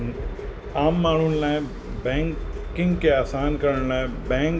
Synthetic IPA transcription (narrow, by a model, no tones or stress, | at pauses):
aːmːaːɳ̤unlaːẽ | bɛ̃ːŋkkɪ̃ŋɡkeaːsaːnkɐɾəɽlaːẽbɛ̃ːŋ